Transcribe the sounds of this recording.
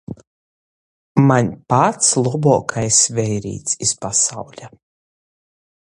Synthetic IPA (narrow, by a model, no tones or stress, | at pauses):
maɲʲpat̪slˠɔbɔːkʰajsvɛjɾḭːt̪sispasawlʲa